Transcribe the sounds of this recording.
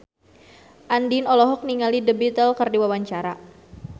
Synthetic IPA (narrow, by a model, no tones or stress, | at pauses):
ʔandinɔlɔɦɔk̚niŋalidəbit̪əlkərdiwawaɲt͡ʃaɾa